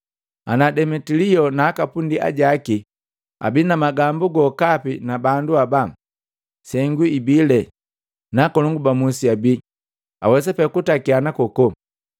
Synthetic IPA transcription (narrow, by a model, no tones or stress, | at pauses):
a̰nadɛmɛtiliɔnaːkapundia̰ɟaki | a̰binamaɡambuɡɔkapinabanduaba | sɛŋɡuibilɛ | nakɔlɔŋɡubamusiabi | a̰wɛs̬ɛpɛkutakianakɔkɔ